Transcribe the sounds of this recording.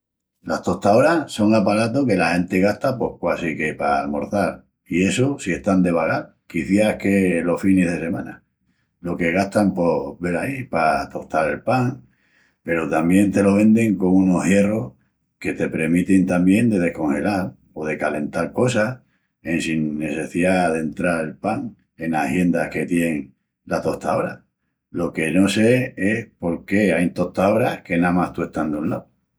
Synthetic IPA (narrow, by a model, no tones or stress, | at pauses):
laht̪o̞t̪ao̞ɾaso̞ŋapaɾat̪̬oke̞lahẽ̞nt̪e̞ɣaht̪apo̞hkwasike̞pamo̞ɾθaɾ | ie̞sosie̞ht̪and̪e̞βaɣaɾ | kiθjaehke̞lo̞hfine̞ɦðe̞se̞mãna | lo̞ke̞ɣ̞aht̪ampo̞βe̞ɾaipat̪o̞ht̪aɾe̞lpaŋ | pe̞ɾot̪ambje̞nt̪e̞lo̞β̞ẽ̞nd̪e̞ŋko̞ŋuno̞hje̞ro̞h | ke̞t̪e̞pɾe̞ɾmit̪int̪ambje̞nd̪e̞ð̞e̞hko̞ŋhe̞lal | oð̞e̞kale̞nt̪aɾko̞sa | e̞nsiŋːe̞se̞θiðaðent̪ɾaɾe̞lpaŋ | e̞nahje̞nd̪ahke̞t̪je̞neŋ | lat̪o̞ht̪aoβɾa | lo̞ke̞no̞se̞espo̞ɾke̞ajnt̪o̞ht̪aoβɾahke̞namaht̪ue̞ht̪and̪unlaw